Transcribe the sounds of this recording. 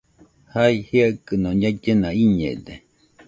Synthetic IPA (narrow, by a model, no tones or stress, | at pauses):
haihiaʔkɨnõɲad͡ʒenãiɲḛ̃d̪e